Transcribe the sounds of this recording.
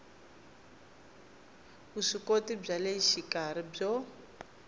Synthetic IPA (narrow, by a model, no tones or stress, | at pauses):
βuʂikotib͡ʐaleʃikaɾib͡ʐɔ